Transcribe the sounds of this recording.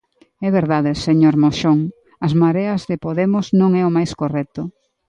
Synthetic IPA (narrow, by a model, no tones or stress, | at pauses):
ɛβeɾðaðɪseɲoɾmoʃoŋ | ɐzmaɾeɐzðepoðemʊznõŋɛʊmajskorɛt̪ʊ